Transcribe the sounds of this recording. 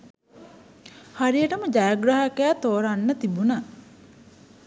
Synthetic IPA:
haɾijəʈəməd͡ʒajaɡɾaɦakæːt̪oːɾanːət̪ibuna

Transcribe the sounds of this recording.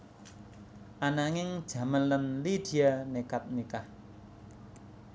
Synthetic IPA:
ʔanaŋɪŋd̥ʒ̥ä̤mənlənlid̪̥i̤anekap̪̚nikah

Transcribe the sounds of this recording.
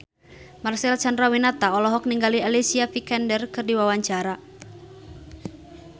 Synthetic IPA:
marsɛlt͡ʃandɾawinat̪aɔlɔɦɔk̚niŋɡalialisiafikɛndərkɨrdiwawaɲt͡ʃaɾa

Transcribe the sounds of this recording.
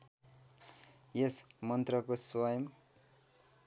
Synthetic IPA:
jesmʌnt̪rʌkoswajʌm

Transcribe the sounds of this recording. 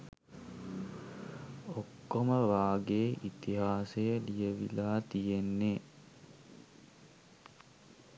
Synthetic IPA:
okːoməʋaːɡeːʔit̪iɦaːsejəlijəʋḭlaːt̪ijenːe

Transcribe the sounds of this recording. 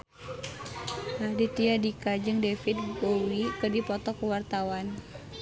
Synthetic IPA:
lahdit̪iadikad͡ʒɨŋdefit̪̚bowikɨrdipɔt̪ɔkuwart̪awan

